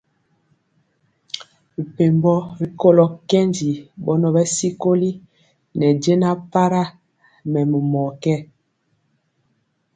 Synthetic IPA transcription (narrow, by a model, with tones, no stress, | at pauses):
i˨pe˨mbɔ˦ɾi˦ko˦lɔ˨kɛ˦nd͡ʒi˨bɔ˦nɔ˦bɛ˦si˦ko˦li˦ | nɛ˨d͡ʒe˦na˦pa˦ɾa˦ | mɛ˨mɛ˨mɔ˨kɛ˦